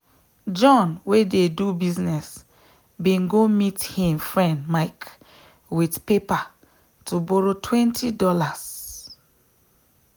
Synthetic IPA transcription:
d͡ʒɔ̃nwededubiznɛs | bĩnɡomithĩmfɹɛ̃ndmaɪk | widpepa | tuboɾotwɛ̃ntʰidɔlaz̥

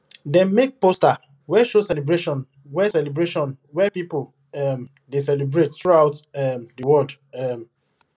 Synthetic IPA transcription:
dɛ̃nmek̚posta | wɛʃosɛlibɹeʃɔ̃n | wɛsɛlibɹeʃɔ̃n | wɛpipo | ɛm | desɛlibɹetθɹuaʊtɛmdəwɔldɛm

